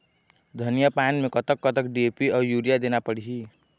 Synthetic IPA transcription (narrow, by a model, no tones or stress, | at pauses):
d̪ʱənijapanmekʌt̪əkːət̪əkɖiepiɔjuɾijad̪enapəɽiɦi